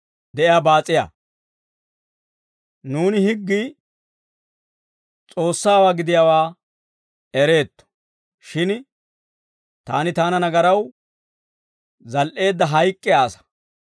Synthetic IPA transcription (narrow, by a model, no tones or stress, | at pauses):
d̪ɛʔɪjaːbaːt͡sʼːɪja̰ː | nuːnɪhɪɡːi | t͡sʼo̞ːsːaːwaːɡɪd̪ɪjawaː | ɛɾe̞ːt̪ːɔ̥ | ʃɪn | t̪a̰ːnɪt̪aːnɐnɐɡɐɾɐw | zɐlʔe̞ːd̪ːɐɦɐjkʼːɛjaːsɐ̥